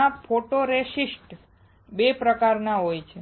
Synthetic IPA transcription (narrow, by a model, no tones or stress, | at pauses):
apʰoʈoɾeʃisʈ | bepɾəkaɾnaɦojt͡ʃʰe